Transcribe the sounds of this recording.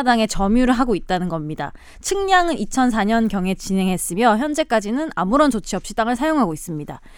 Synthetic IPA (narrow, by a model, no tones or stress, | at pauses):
daŋe̞t͡ɕʌmjuɾɯɭɦaɡoit̚t͈anɯnɡʌmɲida̰ | t͡ɕʰɯŋɲaŋɯnit͡ɕʰʌns̬ʰaɲʌnkjʌŋe̞t͡ɕine̞ŋɦe̞s͈ɯmjʌçjʌnd͡ʑe̞k͈ad͡ʑinɯna̰muɾʌnt͡ɕot͡ɕʰiʌp̚ɕ͈it͈aŋɯɭsʰajoŋɦaɡois͈ɯmɲida